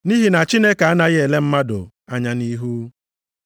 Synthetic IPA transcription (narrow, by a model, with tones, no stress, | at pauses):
ni˦ɦi˦na˨t͡ʃi˦ne˦ka˨a˦na˦ɣe˨le˦m̩˦ma˦dʊ̰˨ | a˦ɲa˦ni˦ɦu˦